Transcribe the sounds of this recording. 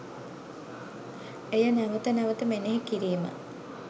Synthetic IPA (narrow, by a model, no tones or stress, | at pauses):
ejənæʋət̪ənæʋət̪əmeneɦekiɾiːmə̰